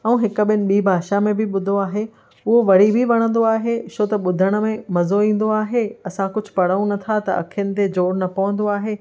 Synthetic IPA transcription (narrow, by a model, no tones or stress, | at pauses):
ɛ̃ũɦɪkə̆ɓɪənɪ̆ɓiːbʱaːʃamẽbʱɪɓʊd̪ʱoaːɦe | ʊɦoʋɐɽ̤ibʱiʋɐɽ̃ə̃nd̪oaːɦeʃoːt̪ɐɓʊd̪ʱəɽ̃ə̆mẽmɐzoĩːn̆d̪oaːɦeɐsãkʊd͡ʑʱʊ̥̆pɐɽəũnɐt̪ʰat̪ɐ̰ɐ̰kʰijənɪ̆t̪̬ed͡ʑoːɽnɐpɐʋə̃nd̪oaːɦeː